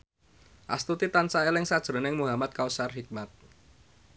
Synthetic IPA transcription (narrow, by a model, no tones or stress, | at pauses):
ʔa̰st̪ut̪it̪ansaelɪŋsad̥ʒ̥ɾo̤nɪŋmuɦamat̪̚kausarɦik̚mat̪̚